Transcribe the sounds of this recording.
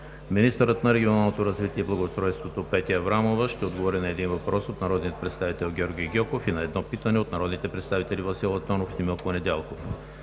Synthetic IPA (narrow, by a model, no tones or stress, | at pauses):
minist̪əɾət̪nɐɾɛɡʲionalˠnot̪oɾɐzvit̪iɛiblˠɐɡost̪ɾɔjst̪vot̪opɛt̪iɐvɾamovəʃt̪ɛod̪ɡovɔɾinɐɛd̪invɐpɾɔsot̪nɐɾɔd̪nijət̪pɾɛt̪st̪avit̪ɛlˠɡʲɔɾɡʲijɡʲɔkofinɐɛd̪nɔpit̪ənɛot̪nɐɾɔd̪nit̪ɛpɾɛt̪st̪avit̪ɛlʲivɐsilˠɐt̪ɔnofimilˠkonɛd̪ɛlˠkof